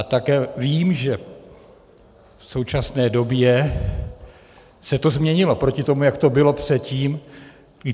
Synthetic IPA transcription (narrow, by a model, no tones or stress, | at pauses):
at̪akɛːviːmʒɛ | fso̞wt͡ʃasnɛːdo̞bjɛ | sɛt̪o̞zmɲɛɲɪlo̞pɾo̞cɪt̪o̞mujakt̪o̞bɪlo̞pr̝̥ɛt̪ciːm | ɡ